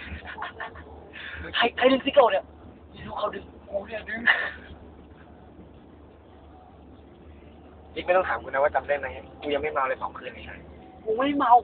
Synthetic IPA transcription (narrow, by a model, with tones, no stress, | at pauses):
t̪ʰa˧jt̪ʰa˧jdɯ˧ŋsi˧˥ka˨˩ni˧˩ɐ | i˧˩ɾuː˦˧˥kʰa˧˩dɯ˧ŋ | ku˧˩ni˧˩dɯ˧ŋ | ni˦˥a˥˩t̪ɔ˥ŋt̪ʰːmkʰu˧nːa˦˥waː˥˩t͡ɕa˧mdaː˥˩jma˦˥ja˧˥˩kuː˧ja˧ŋma˥˩jma˧wla˧˩pʰɔː˨˦ŋkʰɯː˥˩˨nma˧˩kʰa˦˥˩ | ku˧˦ma˥˩jma˧w